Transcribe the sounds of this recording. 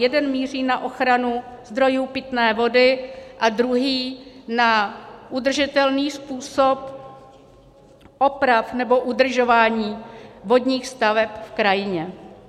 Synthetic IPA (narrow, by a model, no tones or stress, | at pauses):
jɛdɛnmiːr̝iːnaʔo̞xɾanuzd̪ɾo̞juːpɪt̪nɛːvo̞dɪʔad̪ɾuɦiːnaʔudr̩ʒɪt̪ɛlniːspuːso̞p | ʔo̞pɾafnɛbo̞ʔudr̩ʒo̞vaːɲiːvo̞dɲiːxst̪avɛpfkɾajɪɲɛ